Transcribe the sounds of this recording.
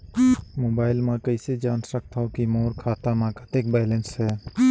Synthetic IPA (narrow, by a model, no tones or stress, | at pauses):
moːbaːɪlmãkəɪsed͡ʒaːnsɾək̚ʰt̪ʰaokimoːɾkʰaːt̪amãkat̪eːk̚bɛːlensɦɛː